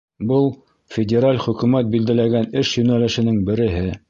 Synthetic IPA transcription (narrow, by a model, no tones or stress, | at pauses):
bɤlˠ | fʲɪdʲeɾalʲχɵ̆kʉmæt̪̚bild̪ælæɡænɘʃjɵ̆nælɘ̆ʃɘ̆nɘŋbɘ̆ɾɘ̆ɦɘ